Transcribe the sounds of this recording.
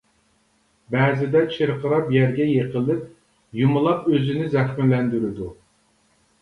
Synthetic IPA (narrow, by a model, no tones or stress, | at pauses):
bɛzɪd̪ɛt͡ʃʰeɾqʰəɾɑpjɛɾɡʲɛjeqəlˠɪp̚ | jumʊlˠɑpøzɪnɪzɛxmɪlɛnd̪yɾɪd̪u